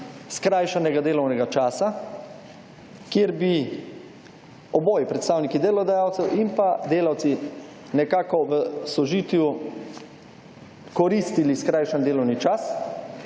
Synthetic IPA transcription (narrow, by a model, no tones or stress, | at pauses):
skɾajʃanɛɡad̪eːlɔwnɛɡat͡ʃaːsa | kjeɾbi | ɔbɔːjipɾɛt̪st̪aːwnikid̪eːlɔd̪ajaːwt̪sɛwimpad̪eːlawt̪si | nɛkaːkɔʋəsɔʒiːt̪ju | kɔɾiːst̪iliskɾajʃand̪eːlɔwnit͡ʃas